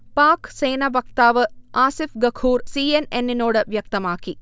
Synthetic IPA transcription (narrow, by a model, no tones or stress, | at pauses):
paːkse̞ːnɐʋɐk̚t̪aːʋɨaːsifɡɐkʰuːrsiːenenːino̞ːɽɨʋjɐk̚t̪ɐmaːkːi